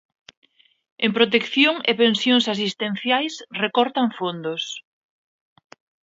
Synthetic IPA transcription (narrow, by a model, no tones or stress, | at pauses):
empɾot̪̬ekθjoŋepẽnsjoŋsasist̪ẽn̟θjajsrekɔɾt̪aɱfond̪os